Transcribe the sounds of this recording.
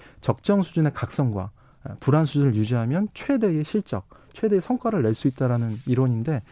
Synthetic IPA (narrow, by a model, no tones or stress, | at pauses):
t͡ɕʌk̚t͡ɕ͈ʌŋsʰud͡ʑune̞kak̚s͈ʌŋɡwa̰ | puɾansʰud͡ʑunɯɭjud͡ʑiɦamjʌnt͡ɕʰwe̞de̞ɡeɕʰiɭt͡ɕ͈ʌk̚t͡ɕʰwe̞deesʰʌŋk͈ʰwaɾɯɭːe̞ɭs͈uit̚t͈aɾanɯniɾwoɲinde̞